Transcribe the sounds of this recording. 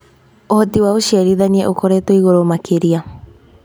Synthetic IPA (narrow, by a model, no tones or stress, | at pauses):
ohotiwaoʃiaɾiðaniɛʔokoɾetoiɣoɾomakʰeɾia